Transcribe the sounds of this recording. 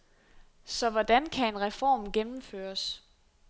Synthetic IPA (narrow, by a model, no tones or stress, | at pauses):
sɒ̽ʋɒd̥ænkʰæe̝nʁɛfɒ̰ːmɡ̥enm̩føːɐs